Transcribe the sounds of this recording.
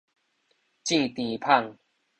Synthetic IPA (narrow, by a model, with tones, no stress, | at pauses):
t͡ɕĩ˥˧t̪ĩ˨pʰa˥˧˨ŋ